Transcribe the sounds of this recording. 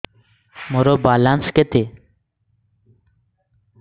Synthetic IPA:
moɾobalansket̪e

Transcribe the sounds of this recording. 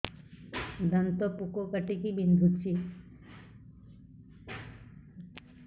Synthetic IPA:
d̪ənt̪ɔpukokəʈekibind̪ʱut͡ʃi

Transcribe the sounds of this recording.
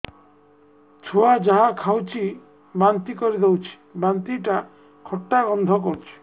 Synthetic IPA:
t͡ʃʰoad͡ʒaɦakʰawt͡ʃʰi | bant̪ikɔɾid̪ewt͡ʃʰi̥bant̪iʈa | kʰɔʈːaɡɔnd̪ʱɔk̬ɔɾut͡ʃʰi̥

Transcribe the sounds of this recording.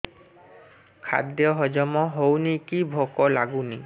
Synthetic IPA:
kʰa̰d̪jɔɦɔd͡ʒɔmɔɦownikibʱɔkɔlaɡuni

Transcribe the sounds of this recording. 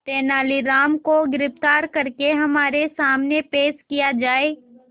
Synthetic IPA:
t̪eːnaːliɾaːmkoɡɪɾɪft̪aːɾkɐɾkeɦɐmaːɾesaːmnepeːʃkijad͡ʒaːeː

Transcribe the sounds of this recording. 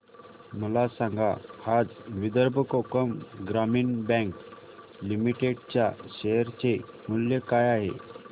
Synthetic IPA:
məlasãŋɡahad͡zʋid̪əɾbʱəkokəmɡɾamiːnbɛ̃ŋk | limiʈeɖt͡ɕjaɕejəɾt͡semuljəkajaɦḛ

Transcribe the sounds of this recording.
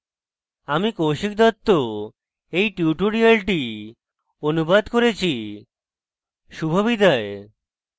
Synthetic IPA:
amikowʃik̚d̪ɔt̪ːo | ejʈjuʈoɾialʈi | onubad̪koɾet͡ɕʰi | ʃubʱabid̪ae

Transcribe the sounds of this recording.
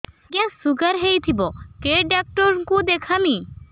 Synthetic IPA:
ɡjãsuɡəɾɦejt̪ʰibokeɖak̚ʈəɾkũd̪ekʰami

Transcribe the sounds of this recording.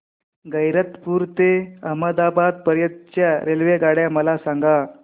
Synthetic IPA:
ɡəjɾət̪puːɾt̪eəɦməd̪abad̪̚pəɾjət̪̚t͡ɕjaɾelʋeɡaɽjaməlasãŋɡa

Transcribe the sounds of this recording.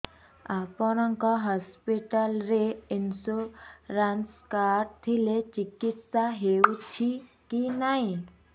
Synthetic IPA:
apɔɾaŋkaɦɔspiʈəlɾeinsoɾanskaɾt̪ʰilet͡ʃikit̪saɦeut͡ʃʰi | kinaɦĩ

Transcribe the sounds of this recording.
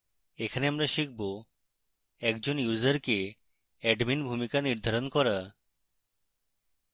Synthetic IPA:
ekʰaneamɾaʃik̚bo | ɛkd͡ʑonjuzaɾke | ɛɖminbʱumikaniɾd̪ʱaɾonkɔɾa

